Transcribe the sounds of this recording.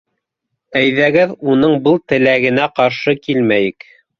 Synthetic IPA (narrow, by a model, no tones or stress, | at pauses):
æjðæɡɘðunɤɴbɤlˠt̪ɘ̆læɡɘ̆næqɑɾʃɤkilmæjɘk